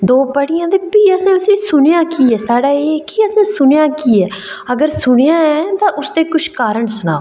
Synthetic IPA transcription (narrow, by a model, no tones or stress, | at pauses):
d̪oːpəɽɪjãːd̪eːpiːəsɛ̃ːʊsĩːsʊnjãːkiːɛːsaːɽaːeːkiəsẽːsʊɳejãːkiːɛːəɡəɾsʊɳejãːɛːt̪ãːʔʊst̪eːkʊʃʰkaːɾəɳsʊna̰ː